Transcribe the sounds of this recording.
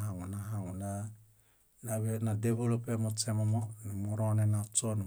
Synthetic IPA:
ɦaŋunaɦaŋuna | naβenadeβolopemot͡ʃemamoɾonenat͡ʃon

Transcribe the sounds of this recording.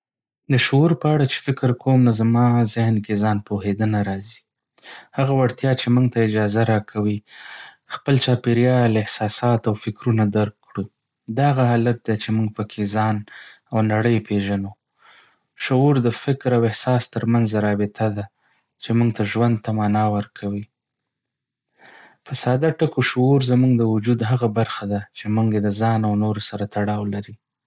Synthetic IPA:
d̪əʃouɾpəaɽat͡ʃe̥fɪkɾkʰomnazamɑzɪhnkezɑnpohed̪ənaɾɑzi̥ | haɣawaɽt̪jɑt͡ʃemuŋɡt̪aɪd͡ʒɑzaɾɑkʰawi | xpəlt͡ʃɑpeɾjɑlaɪhsɑsɑt̪awfɪkɾunad̪aɾkː | ɽu | d̪aɣaɦɑlat̪̚d̪et͡ʃemuŋɡ̚pəkʰezɑn | awnaɽəjpʰeʒano | ʃʊuɾd̪əfɪkɾawɪhsɑst̪əɾmanzaɾɑbɪt̪ʰad̪a | t͡ʃemuŋɡt̪aʒwand̪̚t̪amɑnɑwəɾkʰawi | fasɑd̪aʈəkoʃʊuɾzamuŋɡd̪əwʊd͡ʒud̪ɦaɣabaɾxad̪at͡ʃemuŋɡjed̪əzɑnawnoɾosaɾat̪aɽɑwlaɾi

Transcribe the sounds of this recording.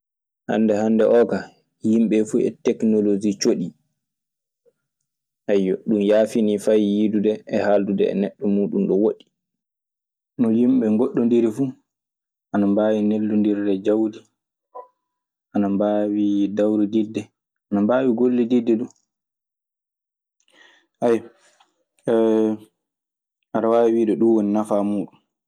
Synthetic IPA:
ha̰nːdɛhandɛʔɔːka | himɓɛfuɛ̰tɛknɔlod͡ʒit͡ʃoɗi | ʔajːɔɗumjaːfinifajːidudɛɛhaːldudɛ̰ɛ̰nɛɗːɔmuːɗumɗɔwoɗi̥ | nɔjimɓɛŋɡɔɗːɔndiɾɛfu | ʔanambaːwinelːundiɾdɛd͡ʒawdi | ʔanambawidawɾididːɛ | ʔanambaːwiɡolːɛdidːɛɗu | ʔaj | aɾawaːwiːɗɛɗunwoninafamuːɗum

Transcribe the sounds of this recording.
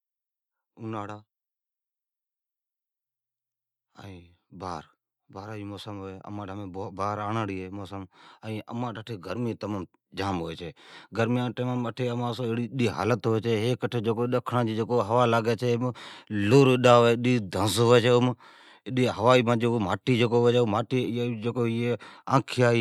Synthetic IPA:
ʊnaːɽaː | ə̰ĩːba̰ːɾ | baːɾaːd͡ʒiːmoːsəmɦoːeːə̰mãːʈəmẽːbaːɾaːɳaːɽiːɦeːmoːsəməĩːʔə̰mãːʈəʈʰeːɡʱəɾmĩt̪əməːm | d͡ʒaːmɦoeːt͡ʃʰeːɡəɾmɪjãːʈəmaməʈʰeːəmãːsõːeːɽiːɗiːɦa̰ːlət̪ɦoːeːt͡ʃʰeːɦeːkəʈʰeːd͡ʒeːkoːɗəkʰɽãːd͡ʒiːd͡ʒeːkoːɦəʋaːlaːɡeːt͡ʃʰeːmloːɾɪɗaːɦoeːɗiːd̪ʱə̃nsɦoːeːt͡ʃʰeːʊm | ɪɗiːɦəʋaːiːmãːd͡ʒeːkːmaːʈiːd͡ʒeːkoːɦoeːt͡ʃeːmaːʈiːd͡ʒeːkoːeãːkʰɪjaːiː

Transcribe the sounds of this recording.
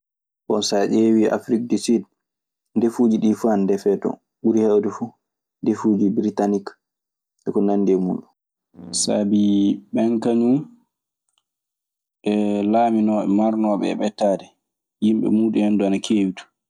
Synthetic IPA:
ɓɔnsaʔeːwiʔa̰fɾik̚disid | ndefuːd͡ʒiɗiːfuandɛfɛtɔ̰ | ɓuɾihɛwdɛfu | ndefuːd͡ʒibɾitanik | ʔɛkɔnanːdɛmuɗu | sa̰biɓɛŋkaɲu | ʔɛlaːminɔːɓɛ̰maɾnɔːɓɛ̰ɛ̰ɓɛtːaːdɛ | jimɓɛ̰muːɗuhɛnduanakʰeːwitu̥

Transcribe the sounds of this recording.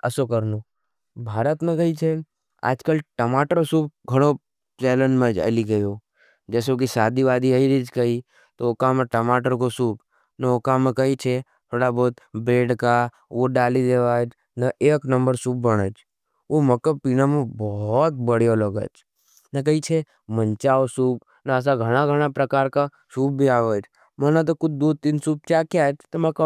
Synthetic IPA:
əsokəɾnu | bʱaːɾət̪mẽkəɦit͡ʃʰe | a̰ːd͡ʒkəlʈəmaːʈəɾsuːp̚ɡʱəɽ̃o | t͡ʃeːlənmẽd͡ʒə̰liɡəjo | d͡ʒɛːs̬okisaːd̪iʋaːd̪iɦəiɾid͡ʒkəi | t̪ookamẽʈəmaːʈəɾkosuːp | nəokamẽkəit͡ʃʰe | t̪ʰoːɽabɔːt̪beːɖka | oɖaːlid͡ʒ̪eʋaːd͡ʒ | nəʔeːknə̃mbəɾsuːp̚bəɽ̃ət͡ʃʰ | omɐkəpiːnamẽbɔt̪̚bəɽjoləɡə̰t͡ʃ | nək̬əit͡ʃʰe | məɲt͡ʃaːosuːp | nəːs̬aɡʱəɽ̃aɡʱəɽ̃apɾɐkaːɾka | suːp̚bʱiaːʋəd͡ʒ | mənat̪̬okʊd͡ʒd̪oːt̪insuːp̚t͡ʃakjat͡ʃt̪oməkə

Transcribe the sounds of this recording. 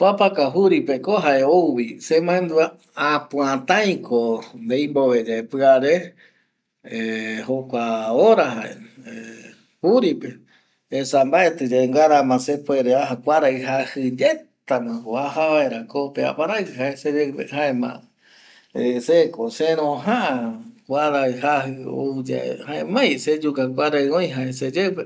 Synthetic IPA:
papakaɦuɾipekoɦaʔe̞ouβisemãẽnd̪ua | apuãt̪ãjĩkʰond̪ejmboβed͡ʒepɨaɾe | ehokʷaoɾaɦa̰ḛe | huɾipeː | sambaet̪ɨd͡ʒaʔeŋɡaɾamãsepueɾeaɦakʷaɾaiɦahɨd͡ʒett̪amãkoahaβaeɾakopea̰paɾajsɨɦaesed͡ʒepḛhaẽmã̰ | esekosẽɾõɦãʔãkʷaɾaiɦahɨo̰d͡ʒa̰ḛhaẽmãj̃sed͡ʒukakʷaɾaiõj̃ɦaesed͡ʒepe

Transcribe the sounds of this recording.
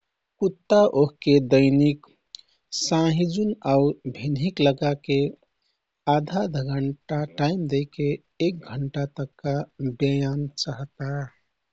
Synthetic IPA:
kut̪ːaʔoɦked̪əɪnik | sãɦid͡ʒunaubʱinɦikləɡake | ad̪ʱad̪ʱɡʱəɳʈaʈaimd̪eɪkeː | k̚ɡʱəɳʈat̪əkːabjəjant͡ʃəɦt̪a

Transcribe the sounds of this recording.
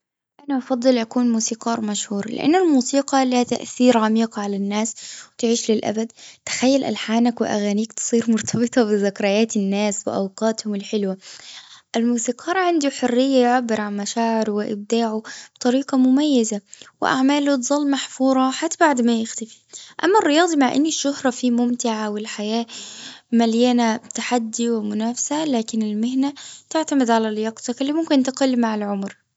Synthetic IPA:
ʔanaʔɑfɑd̪ˤːɨlʔakuːnmuːsiːqɑːɾˤmaʃhuːɾˤlɪ̰ʔa̰nːalmuːsiːqɑlihat̪a̰ʔθiːɾʕamiːqʕalanːaːswɪt̪ʕiːʃlɪlʔa̰bad̪̚t̪ɪ̥xajːalʔa̰lħaːnakwɪʔa̰ɣaːniːkt̪sˤiːɾmʊɾt̪ʰɑbɨt̪ˤɑbɪðakɾˤɑjaːt̪ɪnːaːswɪ̰ʔawqɑːt̪hʊmɪlħɪlwa | ʔɪlmuːsiːqʰɑːɾˤʕand̪uħʊrːɪjːajʕabːɪɾʕanmaʃaːʕɪɾwɪʔɪ̰b̚d̪aːʕʊb̥t̪ˤɑɾiːqɑmʊmajːazawɪ̰ʔa̰ʕmaːlut̪zˤɑlːmaħfuːɾˤɑħat̪ːbaʕd̪majɪxt̪afi̥ʔa̰mːarːɪjɑːd̪ˤimaʕʔɪ̰nːiʃːʊhɾˤɑfimʊmt̪ɪʕawɪlħajaːmaljaːnat̪aħad̪ːiwɪmʊnaːfsalaːkɪnɪlmɪhnat̪ɪʕt̪amɪd̪ʕalaljɑɡt̪ɑkɪlːimʊmkɪnt̪ɪqʊlːmaʕɪlʕʊmɾ

